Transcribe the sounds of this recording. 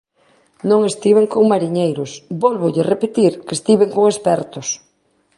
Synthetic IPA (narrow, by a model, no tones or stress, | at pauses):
nõŋest̪iβeŋkoŋmaɾiɲejɾʊsbɔlβʊʎɪrepet̪iɾkest̪iβeŋkoŋespɛɾt̪ʊs